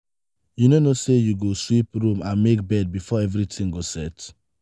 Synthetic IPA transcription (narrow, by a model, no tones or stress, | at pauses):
junonosejuɡoswipɹũmãnmek̚bɛd̚bifɔɛvɾitʰĩŋɡosɛt